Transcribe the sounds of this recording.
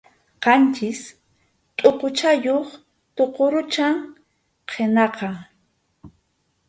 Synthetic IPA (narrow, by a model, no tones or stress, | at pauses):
qɑnt͡ʃɪs | t̪ʼoqot͡ʃajoχ | t̪oqoɾʊt͡ʃaŋ | qʰenɑqɑ